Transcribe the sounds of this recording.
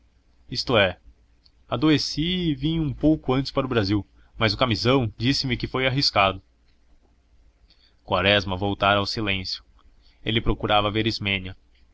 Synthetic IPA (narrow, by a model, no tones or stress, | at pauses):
ist̪ʊɛ | ad̪oesivĩjũpowkʊɐ̃nt͡ʃɪ̥spaɾʊbɾaziw | mɐzʊkamizɐ̃w̃d͡ʒisɪmɪkɪfojaɦiskad̪ʊ | kwaɾɛzmɐvowt̪aɾawsilẽsjʊ̥ | elɪpɾokuɾavɐveɾizmẽniɐ